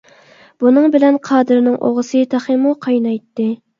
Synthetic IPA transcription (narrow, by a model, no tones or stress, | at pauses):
b̥unɨŋbɪlɛnqʰɑːd̪ɨɾnɪŋʔo̰ʁəsɨt̪ʰɑχɨmuqʰɑjnɑjt̪ːɨ